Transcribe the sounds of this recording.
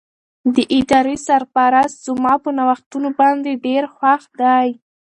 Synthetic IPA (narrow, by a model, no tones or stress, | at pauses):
d̪əʔɪd̪ɑɾisaɾpaɾast̪zəmɑpənawaxt̪unobɑnd̪eɖeɾxwaxd̪aj